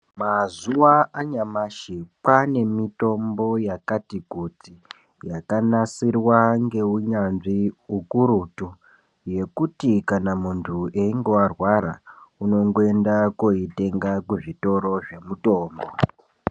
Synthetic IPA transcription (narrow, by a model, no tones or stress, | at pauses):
mazuʋaaɲamaʃipane̞mito̞mbo̞jakatikuti | jakanasirwaŋɡe̞uɲanʐiukuɾutu | je̞kutikanamuntʰueiŋɡo̞arwaɾa̰uno̞ŋɡoe̞ndakoite̞ŋɡakuʐito̞ɾo̞ʐe̞muto̞ːmbo̞